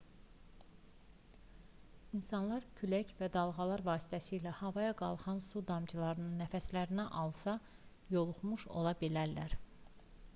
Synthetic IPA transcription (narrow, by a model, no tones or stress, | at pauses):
insɑnlˠɑɾcʰylæcvæd̪ɑlˠʁɑlˠɑɾvɑːsi̥t̪ʰæsiːlæhɑvɑjɑɡɑ̰lˠχɑnsud̪ɑmd͡ʒʰɯlˠɑɾɯnɯnːæfæslæɾinæʔɑlˠsɑ | jo̞lˠuχmuʃo̞̰lˠɑbilæɾlæɾ